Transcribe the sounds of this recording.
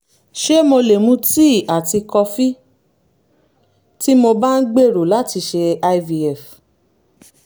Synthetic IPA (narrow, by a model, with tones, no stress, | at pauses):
ʃe˦mo˧le˨mũ˦ti˦˨a˨ti˧kɔ˧fi˦ | ti˦mo˧ba˦n̩˦ɡ͡be˦˨ɾo˨la˦ti˧ʃe˧a˧i˦vi˧ɛ˦˨f